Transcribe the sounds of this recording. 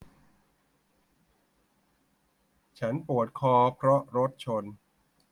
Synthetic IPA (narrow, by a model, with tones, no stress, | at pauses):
t͡ɕʰa˦˥npu˨˩ət̪̚kʰɔː˧pʰɾɔ˦˥ʔɾo˦˥t̪̚t͡ɕʰo˧n